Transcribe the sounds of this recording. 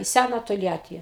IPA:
iː ˈsʲænɐ toːlʲˈjæːtʲiː

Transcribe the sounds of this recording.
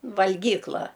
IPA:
ʋɐlʲˈɡʲiːklˠɐ

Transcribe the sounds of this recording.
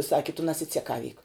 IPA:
ˈsɑːkʲɪ tʊ nɐsʲɪt͡sʲɛˈkɑːʋʲiːk

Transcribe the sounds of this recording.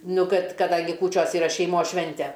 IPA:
ˈnʊ ˈkɐt kɐˈdɐŋʲɡʲɪ ˈkuːt͡ʃʲoːs iːˈrɐ ʃʲɛɪˈmoːs ˈʃʲʋʲɛnʲtʲɛ

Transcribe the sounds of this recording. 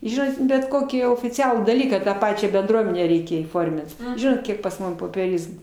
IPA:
ˈʒʲɪnoːt bʲɛt ˈkoːkʲiː oːfʲɪˈt͡sʲæːlˠuː dɐˈlʲiːkɑː tɑː ˈpɑːt͡ʃʲæː bʲɛnˈdruɔmʲɛnʲæː ˈrʲɛɪkʲɛ iːˈfoːrʲmʲɪnt ˈʒʲɪnoːt ˈkʲiɛk pɐs ˈmʊm poːpʲiɛˈrʲɪzmuː

